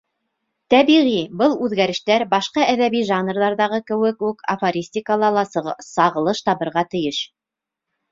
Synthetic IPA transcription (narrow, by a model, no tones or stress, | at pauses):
t̪æβiʁibɤlˠʉðɡæɾɘ̆ʃt̪æɾbɑʃqɑʔæðæβiʒɑnrðɑɾðɑʁɤkɘ̆wɘkʉkʰɐfɐɾʲisʲtʲikəlˠɑlˠɑsɑʁɤ̆lˠɤʃt̪ɑβɤ̆ɾʁɑt̪ɘ̆jɘʃ